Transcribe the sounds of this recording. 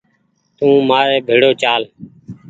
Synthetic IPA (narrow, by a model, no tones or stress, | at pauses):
t̪ũːmaːɾeːbʱeːɽoːt͡ʃaːl